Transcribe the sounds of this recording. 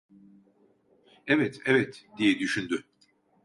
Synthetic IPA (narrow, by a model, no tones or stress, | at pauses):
ɛvɛt̪ʰɛvɛt̪d̪ijɛd̪yʃynd̪y